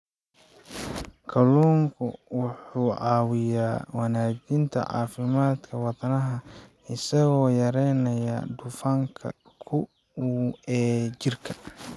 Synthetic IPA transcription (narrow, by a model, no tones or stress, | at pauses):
kʰɐluːŋkʰʊwʊħuːʕɑːwɪjaːwɑnaːd͡ʒɪnt̪ʰɐ̰ʕɑ̰ːfɪmaːd̪kʰɐwɑd̪ɐnɐɦɐ | ɪsɐɣɔːjɐɾɛjnɐjad̪ʊfaŋkʰɐ̰ | kʰʊ | ɛːt͡ʃɪrkʰɐ